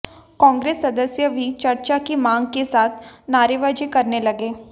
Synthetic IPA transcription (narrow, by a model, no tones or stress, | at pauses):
kɔ̃ːŋɡɾeːsːɐd̪əsjəbʱit͡ʃɐɾt͡ʃakimãːŋɡkesaːt̪ʰnaːɾeʋaːd͡ʒikɐɾnelɐɡeː